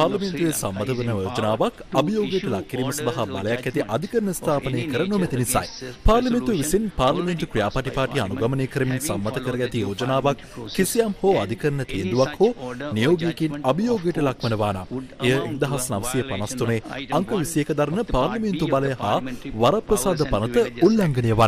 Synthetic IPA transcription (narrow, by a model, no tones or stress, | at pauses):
paːɾlɐment̪uʋesamːɐt̪əʋənəjoːod͡ʒənaːʋakɐbijoːɡəjəʈəlakːiɾiːməsɐd̪ɐɦaba̰ləjakːɛt̪iʔɐd̪ʱikəɾənəst̪ʰaːpənəjəkəɾənomet̪inisa̰jpaːɾlɐment̪ueʋisinpaːɾlɐment̪ukɾijaːpaʈipaːʈianuɡamənejkəɾəminsamːɐt̪əkəɾəɡæt̪ijoːd͡ʒənaːʋakʰː | isijamhoːad̪ʱikəɾənət̪iend̪uʋakhoːnijoːɡijekinɐbijoːɡjəʈəlakʋənəʋaːna̰mejəind̪ɐɦasnɐʋəsijəpɐnast̪uneːɐŋkəʋisijekəd̪aɾənəpaːɾlɐment̪ubaləjəhaːʋaɾaprɐsaːd̪əpanət̪əulːaŋɡənəjəʋan